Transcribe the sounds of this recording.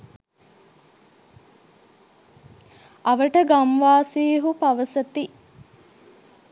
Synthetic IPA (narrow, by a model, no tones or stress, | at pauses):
ɐʋəʈəɡamʋaːsiːɦupaʋəsət̪i